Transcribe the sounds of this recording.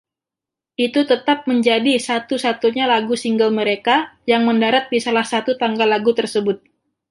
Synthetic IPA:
ʔit̪ut̪ət̪ap̚məɲd͡ʒadisat̪usat̪uɲalaɡusiŋɡəlməɾekajaŋməndaɾat̪̚disalahsat̪ut̪aŋɡalːaɡut̪ərsəbʊt̪̚

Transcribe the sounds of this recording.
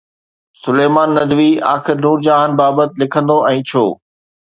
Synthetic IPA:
sʊleːmaːnːɐd̪ʋia̰ːxɪɾnuːɾd͡ʑaːɦənbaːbət̪̚lɪkʰə̃nd̪oɛ̃ːt͡ɕʰoː

